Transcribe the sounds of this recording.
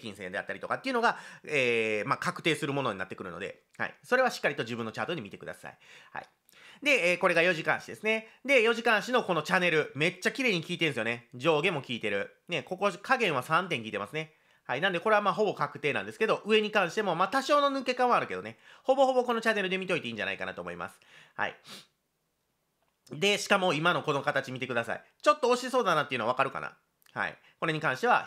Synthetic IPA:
kʲĩsẽ̞nd̪e̞a̰t̪ːaɾit̪o̞kat̪ːeiɯ̟no̞ɡaeːmaːkakɯ̟̥t̪e̞ːsɨɾɯ̟mo̞no̞ɲina̰t̪ːekɯ̟ɾɯ̟no̞d̪e̞̰ | ha̰ḭso̞ɾe̞βaɕi̥kːaɾit̪o̞ʑɨbɯ̟̃nːo̞t͡ɕaːt̪oɲ̟imit̪e̞kɯ̟d̪a̰sa̰iha̰i | d̪e̞eːko̞ɾe̞ɡajo̞ʑikã̰ɰ̃ɕid̪e̞̰sɨne̞d̪e̞jo̞ʑikãɰ̃ɕino̞ko̞no̞t͡ɕane̞ɾɯ̟me̞t͡ɕːakʲiɾe̞ːɲ̟ikʲiːt̪ẽ̞sɨjoned͡ʑo̞ːɡe̞mo̞kʲiːt̪e̞ɾɯ̟ | ne̞ko̞ko̞kaɡẽ̞ɰ̃βasãnt̪̬ẽ̞ŋkʲiːt̪emasɨne̞ | hainãnd̪e̞ko̞ɾe̞βamaːɦo̞bo̞kakɯ̟t̪e̞ːnãnd̪e̞sɨ̥ke̞d̪o̞ʔɯ̟e̞ɲ̟ikãɰ̃ɕi̥t̪emo̞maːt̪aɕo̞ːno̞nɯke̞kãɰ̃βaɾɯ̟ke̞d̪o̞neho̞bo̞ho̞bo̞ko̞no̞t͡ɕane̞ɾɯ̟d̪e̞mʲit̪o̞it̪e̞iːɲ̟d͡ʑa̰na̰ikana̰t̪o̞ːmo̞̰ḭmʔa̰sɨ̥ha̰ḭ | d̪e̞ɕi̥kamo̞imano̞ko̞nokat̪at͡ɕimʲit̪e̞kɯ̟d̪asa̰ḭ | t͡ɕo̞t̪ːooɕiso̞ːd̪anat̪eiɯ̟noaβakaɾɯ̟ka̰na̰ | ha̰ḭ | ko̞ɾe̞ɲ̟ikãɰ̃ɕi̥t̪e̞βa̰

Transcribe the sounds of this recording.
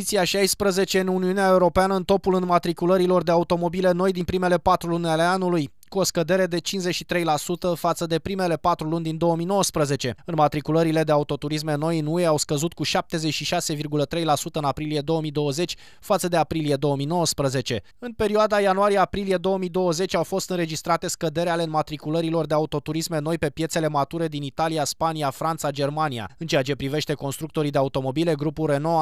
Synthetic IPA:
it̪siaʃajspɾəze̞t͡ʃe̞ɨnuniuneaeuɾo̞peanəɨnt̪o̞pulɨnmat̪ɾikuləɾilo̞rd̪e̞aut̪o̞mo̞bile̞no̞jd̪inpɾime̞le̞pat̪ɾulunʲale̞anuluj | kuo̞skəd̪e̞ɾe̞d̪e̞t͡ʃinzet͡ʃʃit̪ɾe̞jlasut̪əfat̪səd̪e̞pɾime̞le̞pat̪ɾulunʲd̪ind̪o̞əmijno̞wəspɾəze̞t͡ʃe̞ɨnmat̪ɾikuləɾile̞d̪e̞aut̪o̞t̪uɾis̬me̞no̞jɨnue̞awskəzut̪̚kuʃap̚t̪e̞zet͡ʃʃiʃase̞virɡulət̪ɾe̞jlasut̪əɨnapɾilije̞d̪o̞əmijd̪o̞wəze̞t͡ʃʲ | fat̪səd̪e̞apɾilije̞d̪o̞əmijno̞wəspɾəze̞t͡ʃe̞ | ɨnpe̞ɾioad̪ajanuaɾijeapɾilije̞d̪o̞əmid̪o̞wəze̞t͡ʃʲawfo̞st̪ɨnɾe̞d͡ʒist̪ɾat̪e̞skəd̪e̞ɾealeɨnmat̪ɾikuləɾilo̞rd̪eaut̪o̞t̪uɾisme̞no̞jpe̞pje̞t̪se̞le̞mat̪uɾe̞d̪init̪aliaspaniafɾant̪sad͡ʒe̞rmania̰ɨnt͡ʃe̞at͡ʃe̞pɾive̞ʃt̪e̞ko̞nst̪ɾukt̪o̞ɾid̪eaut̪o̞mo̞bile̞ɡɾupulre̞no̞

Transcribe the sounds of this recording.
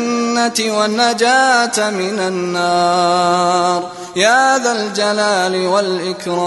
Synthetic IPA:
nːat̪wanːad͡ʒaːt̪mɪnanːɑː | ɾ | jahaaðald͡ʒalaːlɪwalʔɪkɾɑː

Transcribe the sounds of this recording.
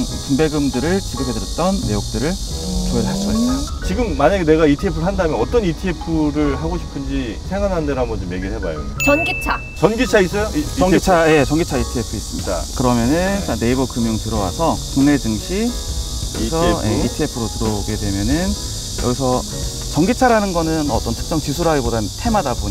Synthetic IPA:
t͡ɕumbe̞ɡɯmdɯɾɯɭt͡ɕiɡɯpʰedɯɾjʌt̚t͈ʌnːe̞jok̚t͈ɯɾɯɭkoɦasʰʌit͡ɕiɡɯmːaɲaɡene̞ɡaitʰiepʰɯɾɭɦandamjʌnʌt͈ʌnitʰiepʰɯɾɯɭɦaɡoɕʰi̥pʰɯnd͡ʑisʰeŋɡanɦandeɾambʌnd͡ʑomje̞ɡiɭɦeba̰jo̰t͡ɕʌnɡit͡ɕʰa | t͡ɕʌnɡit͡ɕʰais͈ʌjot͡ɕʌŋɡit͡ɕʰaje̞t͡ɕʌŋɡit͡ɕʰaitʰiepʰɯis͈ɯmɲida̰kɯɾʌmjʌnɯnane̞ibʌk͈ɯmjoŋtɯɾʌwa̰sʰʌkuŋne̞d͡ʑɯŋɕʰi | ʌɡisʰʌjʔḛitʰiepʰɯɾotɯɾʌɡe̞dwe̞mjʌnɯn | jʌɡisʰʌ | t͡ɕʌŋɡit͡ɕʰaɾanɯnɡʌnɯnʌt͈ʌntʰɯ̥k̚t͡ɕ͈ʌŋt͡ɕisʰuɾaɡibodatʰe̞madaboɲ

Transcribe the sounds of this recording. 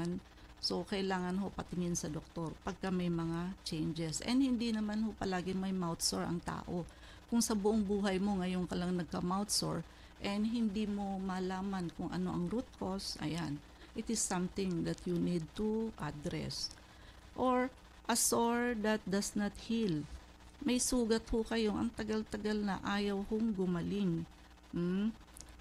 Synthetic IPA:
n | so̞kɐʔɪlaːŋɐnɦo̞pɐt̪ɪŋɪnsɐd̪ok̚t̪o̞ɹpɐɡ̚kamɐjmɐŋat͡ʃɛjnd͡ʒɛsʔɛ̰nd̪hɪnd̪inɐmanho̞pɐlaːɡɪmɐjmawt̪soɹʔɐ̰ŋt̪a̰ːʔo̞ | kʊŋsɐbʊʔoŋbuːɦɐjmo̞ŋɐjo̞ŋkɐlɐŋnɐɡ̚kɐmawt̪so̰ɹ | ʔɛnd̪ɦɪnd̪imo̞mɐlaːmɐnkʊŋʔɐ̰no̞̰ʔɐŋɾut̪̚ko̞sʔɐ̰jan | ʔɪt̪ɪsːɐ̃mt̪ɪ̃ŋd̪ɐt̪ʰjunid̪̚t̪uʔad̪ɾɛ̰s | ʔoɹ | ʔɐsoɹd̪ɐt̪̚d̪ɐsnɐt̪hil | mɐjsuːɡɐt̪̚hokɐjo̞ŋʔɐ̰ŋt̪ɐɡalt̪ɐɡalnɐ̰ʔaːjɐwhoŋɡʊmɐlɪŋ | m̩

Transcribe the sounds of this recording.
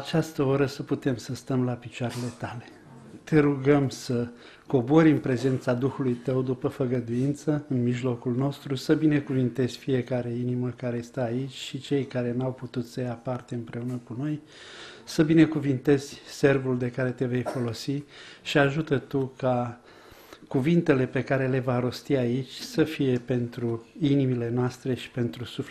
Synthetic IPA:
at͡ʃast̪əo̞ɾəsəput̪e̞msəst̪əmlapit͡ʃoaɾe̞le̞t̪ale̞ | t̪e̞ɾuɡəmsə | ko̞bo̞ɾʲɨnpɾe̞ze̞nt̪sad̪uxulujt̪əwd̪upəfəɡəd̪ujint̪səɨnmiʒlo̞kulno̞st̪ɾusəbine̞kuvint̪e̞zʲfije̞kaɾe̞iniməkaɾe̞st̪aːit͡ʃʲʃit͡ʃe̞jkaɾe̞nawput̪ut̪səjapart̪e̞ɨmpɾe̞unəkuno̞j | səbine̞kuvint̪e̞z̥ʲse̞rvuld̪e̞kaɾe̞t̪e̞ve̞jfo̞lo̞siʃiaʒut̪ət̪uka | kuvint̪e̞le̞pe̞kaɾe̞le̞vaɾo̞st̪iait͡ʃʲsəfije̞pe̞nt̪ɾuinimile̞noast̪ɾe̞ʃi̥pe̞nt̪ɾusuf

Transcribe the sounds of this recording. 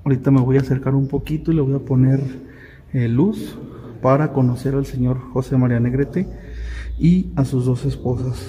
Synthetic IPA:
oɾit̪ame̞βo̞jaːse̞ɾkaɾumpo̞kit̪oileβo̞japo̞ne̞ɾ | elus | paɾako̞no̞se̞ɾalse̞ɲo̞ɾxo̞se̞maɾiane̞ɣɾet̪e̞ | iasuzðo̞se̞spo̞sas

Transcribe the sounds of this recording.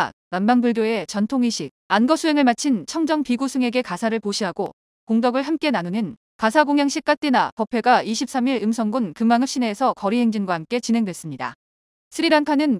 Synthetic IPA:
nambaŋbɯɭdjoe̞t͡ɕʌntʰoŋiɕʰik̚anɡʌsʰuɦe̞ŋɯɭmat͡ɕʰint͡ɕʰʌŋd͡ʑʌŋpiɡusʰɯŋe̞ɡe̞kasʰaɾɯɭpoɕʰiɦaɡo | koŋdʌɡɯɭɦamk͈e̞nanunɯn | kasʰaɡoŋjaŋɕ͈ʰik̚k͈at͈inapʌpʰe̞ɡaiɕʰip̚s͈amiɾɯmsʰʌŋɡunkɯmaŋɯp̚ɕ͈ine̞ːsʰʌkʌɾiɦe̞ŋd͡ʑinɡwahamk͈e̞t͡ɕinɦe̞ŋdwe̞s͈ɯmɲida̰ | sʰɯɾiɾaŋkʰanɯn

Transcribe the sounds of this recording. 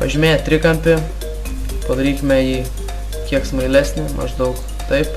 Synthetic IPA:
pɐ̰ʒʲɪmʲeːjɛt̪ʲɾʲɪkɐmʲpʲɪ | pɐd̪ɐɾʲiːkʲɪmʲɛjiː | kʲiɛksmɐɪlʲæːsʲnʲɪmʔɐ̰ʒd̪ɐʊk | t̪ɐɪp

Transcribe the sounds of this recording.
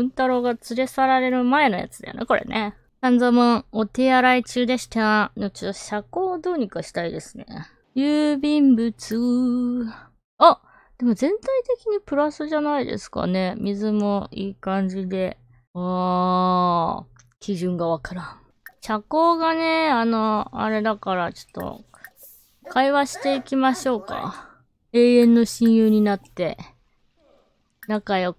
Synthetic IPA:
ɯ̟̃nt̪aɾo̞ɡat͡sɨɾe̞saɾaɾe̞ɾɯ̟mae̞no̞ja̰t͡sɨd̪a̰jo̰neko̞ɾʔḛnʔe | sãnd͡zomoot̪e̞aɾait͡ɕɨːd̪eɕi̥t̪anot͡ɕot̪ːɕako̞ːd̪o̞ːɲ̟ikaɕi̥t̪aid̪e̞sɨne̞̰ | jɯːbʲĩmbɯ̟t͡sɨ | a | d̪̥e̞mo̞zẽ̞nt̪ait̪e̞kʲiɲ̟ipɯ̟ɾasɨʑanaid̪e̞̰sɨ̥ka̰ne̞mʲizɨmo̞iːkãɲ̟d͡ʑid̪e̞ | aː | kʲiʑɨ̃ŋɡaβakʰaɾãŋ | ɕako̞ːɡane̞ano̞a̰ɾe̞d̪akaɾat͡ɕo̞̥t̪ːo̞̰ | kʰaiβaɕi̥t̪e̞ikʲimaɕo̞ːka̰ | e̞ːẽ̞nːo̞ɕĩɰ̃jɯːɲ̟inat̪ːe̞ | nakajo

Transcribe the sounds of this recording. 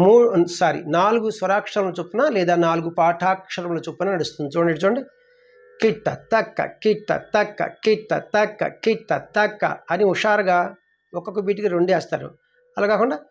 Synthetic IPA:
muːsaːɾḭnaːluɡusʋɐɾaːkʂɐɾɐmloːt͡ʃupːunalɛːd̪aːnaːluɡupaːʈʰaːkʂɐɾɐmloːt͡ʃuːpːunɐnɐɽust̪und̪it͡ʃoːɳeʈit͡ʃoːɳɖi | kiʈːɐt̪ɐkːɐ̰kiʈːɐ̰t̪ɐkːɐ̰kiʈːɐ̰t̪ɐkːɐ̰kiʈːɐt̪ɐkːɐ̰ɐniuʂaːɾɐɡaː | ɔkːokːɐbiːʈ̬ikiɾoɳɖeːst̪aːɾṵ | ɐlaːkaːkuɳɖaː

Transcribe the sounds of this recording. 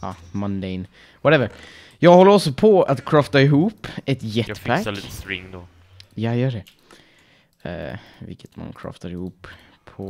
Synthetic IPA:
ɑ̰ | mɔnd̪ɛɪn | vwɔɾɛvəɾ | jɑːɡhɔlːəɾɔlsɔpʰɔat̪kʰɾœft̪aɪɦuːpːɛt̪jɛt̪ːpʰæt̪sɾɪŋːd̪ɔ | jajœːɖɛ | vɪ̰lkːə̥t̪ma̰nkʰɾɑ̰ːft̪ʰaɾɪhuːpʰː | ɔ

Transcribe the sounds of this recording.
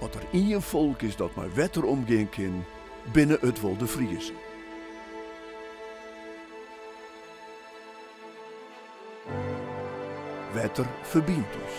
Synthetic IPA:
ɔtəriːənfɔlˠkɪsdɔtmɛ̰jʋɛtərɔmɡɪəŋkʰɪn | bɪnəʔətʋɔlˠdəfriəzən | ʋɛtərfərbintɪ̰s

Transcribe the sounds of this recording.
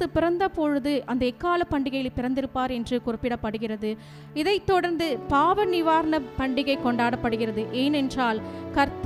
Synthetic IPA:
ɯpɪɾɐnd̪ɐpɔɻɯðɯʔɐnd̪ɐɛkːaːlɐpːɐɳɖɪɣɐjɪlpːɪɾɐnd̪ɪɾɯpːaːɾɛndrɯkʊrɪpːɪɽɐpːɐɽɯɣɪrɐðɯ | ɪðɐɪt̪ːɔɽɐɾnd̪ɯpaːʋɐnɪʋaːɾnɐpɐɳɖɪɣɐɪkːɔɳɖaːɽɐpːɐɽɯɣɪrɐðɯʔeːnɛndraːlkɐɾt̪

